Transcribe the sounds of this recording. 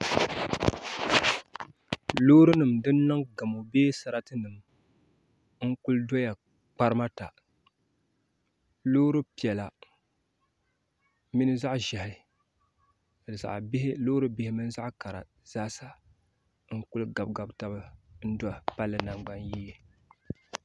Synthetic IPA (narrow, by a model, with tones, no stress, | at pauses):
loː˦ɾɨ˦nɨ˨mdɨ˦n˦nɨ˦ŋɡa˨mo˨beː˦sa˨ɾa˦tɨ˦nɨ˨m | ŋ̩˦ku˦ldɔ˦ja˨ | k͡pa˦ɾɨ˦ma˦ta˨ | lo˦ɾɨ˦pi˨ɛ˨la˨ | mi˦nɨ˦za˦ʔʒa˨hɪ˦˨ | za̰˨ʔbhloː˦ɾɨ˦bɪ˨hɪ˦mɨ˦n˦za˦ʔka˨ɾa̰˨ | z̥aː˦sa˦ | ŋ̩˦ku˦lɡa˨b̚ɡa˨bta˦ba˦n̩˦dɔ˦˨pa˦lːɨ˨na˨ŋ͡mɡ͡ba˦nji˦je˦